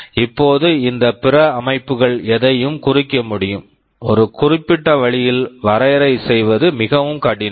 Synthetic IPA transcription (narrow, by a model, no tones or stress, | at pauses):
ɪpːoːðɯɪnd̪ɐpɪrɐːmɐɪpːɯɣɐɭɛðɐjɯmkʊrɪkːɐmʊɽɪjɯm | ɔɾɯkʊrɪpːɪʈːɐʋɐɭɪjɪlʋɐɾɐjɾɐɪsɛjʋɐðɯmɪɣɐʋɯmkaːʈːɪn